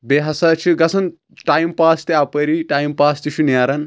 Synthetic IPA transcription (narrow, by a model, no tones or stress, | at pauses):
beɦɐsɐt͡ʃʰiɡɐsʰɐn | ʈajmpaːst̪iapɐɾiʈaːjmpaːst̪iʃʰunjaːɾɐn